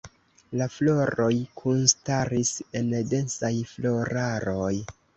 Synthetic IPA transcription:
laflo̞ɾo̞jkʰunstaɾise̞nde̞nsajflo̞ɾaɾoj

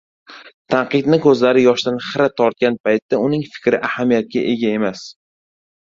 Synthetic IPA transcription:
t̪ʰaɴqɨd̪nɪkʰɵzlaɾɪjɒʃd̪anχɪɾat̪ʰːɒɾt̪̚kʲanpajt̪ːaʊnɪŋfɪ̥kʲɾɪʔahamijat̪̚ɡʲaʔe̞ɡʲae̞mas

